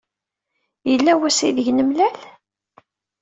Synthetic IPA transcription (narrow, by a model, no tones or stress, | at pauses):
jəlːæwæsiðəʝnəmlæl